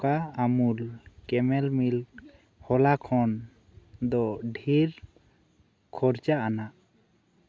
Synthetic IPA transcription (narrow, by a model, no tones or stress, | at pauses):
kaamulkɛmɛlmil | hɔlakʰɔn | d̪ɔɖʱiɾ | kʰɔɾt͡ʃaʔanaʔ